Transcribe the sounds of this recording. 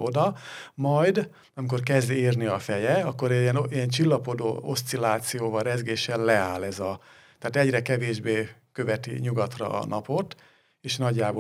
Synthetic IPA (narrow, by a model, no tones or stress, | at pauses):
ʔo̞d̪ɒmɒjd̪ | ɒmiko̞rkɛzd̪eːrniɒfɛjɛɒkːo̞ɾɛniɛnt͡ʃilːɒpo̞d̪o̰ːo̞st̪silaːt̪sijoːvɒrɛzɡeːʃɛllɛaːlɛzɒ | t̪aːt̪ɛɟrɛkɛveːʒbeːkø̞vɛt̪ḭɲuɡɒt̪rɒ̰ːnʔɒpo̞t̪ | eːʃnɒɟːaːboː